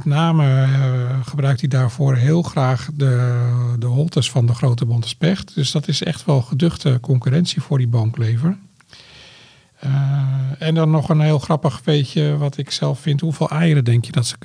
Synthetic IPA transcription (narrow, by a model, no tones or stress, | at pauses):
mɛtnaːmə | χəbrœɥk̚tdidaːɹv̥oːrɦɪːlˠxraːχdədəɦɔlˠtəsfɔndəxrowtəbɔntspɛxtd̥øsdɔtɪsɛ̰xtʋɛlˠχədøxtəkɔŋkyrɛnsifʊːɹdibɔŋkleːvər | ɛndɔnːɔχənɦɪːlˠxrɑpəxfeːçjəʋɔtɪksɛlˠffɪnthuvlˠɛjəɾədɛŋkjədɔtsə̥